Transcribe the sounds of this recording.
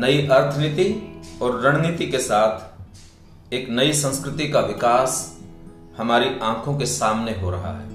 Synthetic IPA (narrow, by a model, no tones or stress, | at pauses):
nəiʔɐɾt̪ʰəniːt̪iɔːɾːəɽ̃niːt̪ikesaːt̪ʰ | eːknəisə̃nskɾɪt̪ikaʋɪkaːs | hɐmaːɾiãːkʰõkesaːmneɦoɾɐɦa̰ɦɛ̰ː